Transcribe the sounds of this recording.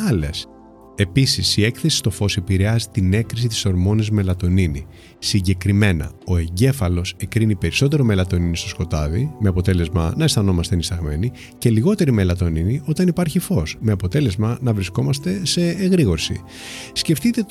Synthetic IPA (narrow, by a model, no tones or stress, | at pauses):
ɐles | e̞pisisie̞kθesi̥st̪o̞fo̞sepiɾe̞ɐzit̪ine̞kɾis̬it̪i̥so̞ɾmo̞nizme̞lɐt̪o̞ninḭ | siɲɟe̞kɾime̞nɐ̰o̞e̞ɲɟe̞fɐlo̞se̞kɾinipe̞ɾiso̞t̪̬e̞ɾo̞me̞lɐt̪o̞ninist̪o̞sko̞t̪ɐðimeɐpo̞t̪e̞le̞zmɐnɐest̪ɐno̞mɐst̪enist̪ɐɣme̞ni | ce̞liɣo̞t̪eɾime̞lɐt̪o̞ninio̞t̪ɐnipɐɾçifo̞sme̞ɐpo̞t̪e̞le̞zmɐnɐvɾisko̞mɐst̪e̞se̞ːɣɾiɣo̞ɾsḭ | sce̞ft̪it̪e̞